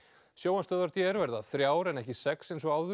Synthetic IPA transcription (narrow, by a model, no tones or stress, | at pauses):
sjoːwhanst̪œːðaɾt̪ʰɛɛɾvɛɾðaθɾjaːwɾɛnɛhcɪsɛksejns̬ɔɣaːwðʏ